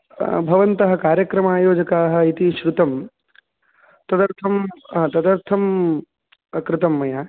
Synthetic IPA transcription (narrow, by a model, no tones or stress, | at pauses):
bʱɐʋɐnt̪ɐɦɐ̆kaːɾjɐkɾɐmaːjoːd͡ʒɐkaːɦɐ̆it̪iʃɾut̪ɐm | t̪ɐd̪ɐɾt̪ʰɐmɐt̪ɐd̪ɐɾt̪ʰɐm | kɾɪt̪ɐmːɐjaː